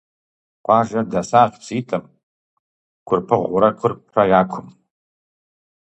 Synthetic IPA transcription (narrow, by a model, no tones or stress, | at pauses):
qʷʼaʒadasaqʲt͡sʰitʼɨm | kʷʰʊrpʰɨʁʷuɾakʷʰʊrpʰrajakʷʰʊm